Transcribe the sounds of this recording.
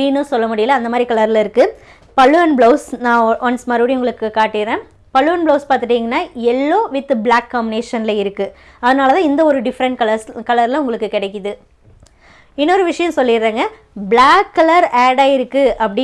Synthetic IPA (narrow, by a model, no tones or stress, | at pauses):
inːɯsɔlːɐmʊɽɪjɐlɐːnd̪ɐmaːd̪ɾikɐɭɐɾɪlɪɾɯkːɯ | pɐɭːɯʋɐnbɭoːsnãːʋɐnsmɐɾɯʋɐɽiʊŋɡɐɭɯkːɯkaːʈːɪɾẽː | pɐɭːɯʋɐnbloːspaːɾt̪ɯʈiːŋɡɐnːaːɛlːoːʋɪt̪ːɯblaːkːaːmbɪneːʂɐnɪlɐɪɾɯkːɯ | ɐðɐnaːlɐt̪ãːɪnd̪ɐɔɾɯɖɪfɐɾɐɳʈkɐlɐskɐlɐɾɪlʊŋɡɐɭɯkːɯkɪɽɛɪkːɯðɯ | ɪnːɔɾɯʋɪʂɐjɐ̃sɔlːɪɾːaːŋɡɐ | bɭaːkːɐlɐɾaːɽaːɪɾɯkːɯɐpːɐɽɪ